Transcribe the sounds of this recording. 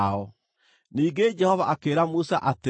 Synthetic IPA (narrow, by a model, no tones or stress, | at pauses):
ɔ | niːŋɡed͡ʒɛhɔvaʔakeːɾamusaʔate